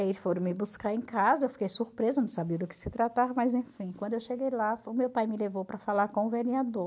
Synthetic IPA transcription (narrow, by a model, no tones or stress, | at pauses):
aifoɾʊ̃mɪbuskaɾẽkazɐewfi̥kejsuɾpɾezɐnɐ̃w̃sabiɐd̪ʊkɪ̥sɪt̪ɾat̪aɾmɐjzẽfĩkwɐ̃nd̪ʊewʃeɡejlaʊmewpajmɪlevowpɾɐfalaɾkõʊvenĩad̪o